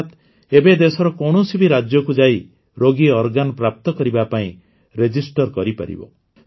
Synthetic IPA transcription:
t̪ | ebed̪esɔɾɔkɔwɳ̃usibiɾad͡ʒjɔkud͡ʒaj | ɾoɡiɔɾɡanpɾap̚t̪ɔkɔɾibapaĩ | ɾed͡ʒisʈɔɾkɔɾipa̰ɾḭbɔ̰

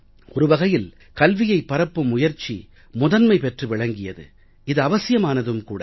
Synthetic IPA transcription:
ɔɾɯʋɐɣɐjɪl | kɐlʋɪjɐɪpːɐɾɐpːɯmʊjɐɾt͡ʃːḭ | mʊðɐnmɐɪpɛʈrɯʋɪɭɐŋɡɪjɐðɯ̰ | ɪðɯɐʋɐsɪjɐmaːnɐðɯmkuːɽɐ

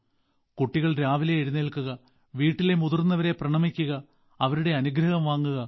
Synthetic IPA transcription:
kuʈːiɣɐɭɾaːʋileːɻuneɭkuɣɐ | ʋiːʈːile̞muðurnːɐʋɐɾe̞prɐɳɐmikʲːuɣɐ | ɐʋɐɾuɽe̞ɐnuɡɾɐhɐmʋaːŋːuɣɐ

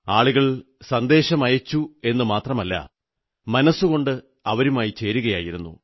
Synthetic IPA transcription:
aːɭuɣɐɭ | sɐnd̪e̞ːɕɐmɐjɐt͡ɕːue̞nːɨmaːt̪rɐmɐlːɐ̰ | mɐnɐsːuɣo̞ɳɖɨ | ɐʋɐɾumaːjit͡ɕe̞ːɾuɣɐjaːjiɾunːṵ

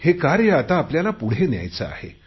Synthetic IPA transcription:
hekaɾjəat̪aːpljalapuɽ̤enja̰jt͡səa̰hḛ

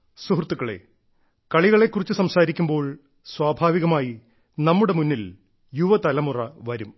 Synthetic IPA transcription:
suɦrt̪ːukːɐɭḛ | kɐɭiɣɐɭe̞kːurit͡ɕːusɐmsaːɾikʲːumbo̞ːɭ | swaːbʱaːʋiɣɐmaːji | nɐmːuɽe̞munːil | juʋɐt̪ɐlɐmurɐʋɐɾum

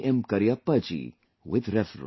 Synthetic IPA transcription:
ʔɛmkɐɾiɐpːɐt͡ʃḭ | wɪt̪ɾɛfɾ̰

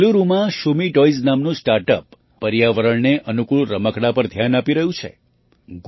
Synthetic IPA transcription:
luɾumãʃumiʈɔiznamnũsʈaɾʈəpː | əɾjaʋəɾəɭneʔənukuɭɾəməkɽapəɾd̪ʱjanapiɾəɦũt͡ʃʰḛ | ɡ

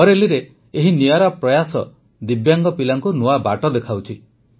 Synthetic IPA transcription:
ɔɾeliɾe | eɦiniaɾapɾɔjasɔ̰ | d̪ibjaŋɡɔpilaŋkunuabaʈɔd̪ekʰawt͡ʃʰi

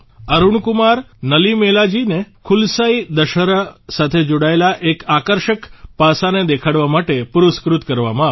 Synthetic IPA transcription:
əɾuɳkumaɾ | nəlimelad͡ʒinekʰulsaid̪əʃəɾasat̪ʰed͡ʒoɽaelaʔekakəɾʃəkpasaned̪ekʰaɽʋamaʈepuɾuskɾut̪kəɾʋa̰mã

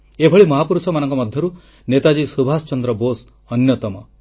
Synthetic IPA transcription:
ebʱɔɭimɔɦapuɾusɔmanɔŋkɔmɔd̪ʱjɔɾu | net̪ad͡ʒisubʱasɔt͡ʃɔnd̪ɾɔbos | ɔnjɔt̪ɔmɔ

